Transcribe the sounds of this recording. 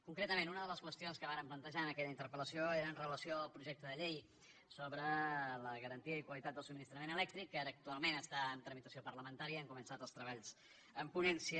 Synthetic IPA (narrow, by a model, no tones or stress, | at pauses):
kuŋkɾet̪əmẽnunəðələskwəst̪ionskəβaɾəmplənt̪əʒaənəkɛʎəint̪əɾpələsioeɾəːnrələsioəlˠpɾuʒɛk̚t̪əðəʎej | soβɾələɣəɾənt̪iəikwəlit̪at̪d̪əlˠsuminist̪ɾəmenəlɛk̚t̪ɾikːaɾək̚t̪ualˠmenəst̪aənt̪ɾəmit̪əsiopərləmənt̪aɾiəəŋkumənsat̪əlˠst̪ɾəβ̞aʎz | əmpunɛnsiə